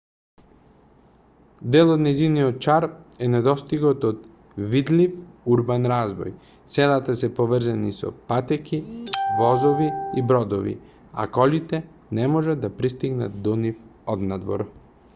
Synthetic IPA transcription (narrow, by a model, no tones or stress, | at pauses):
d̪ɛlˠod̪nɛjziniɔt̪̚t͡ʃaɾɛnɛd̪ɔst̪iɡɔt̪ot̪ | vid̪lifuɾbanɾazvɔ̰j | t̪sɛlˠat̪asɛpovr̩zanisɔ̰pat̪ɛkivɔzoviibɾɔd̪ɔvḭ | a̰kɔlit̪ɛ | nɛmɔʒad̪d̪ːapɾist̪iɡna̰t̪̚d̪ɔnifɔd̪nad̪vɔ̰ɾ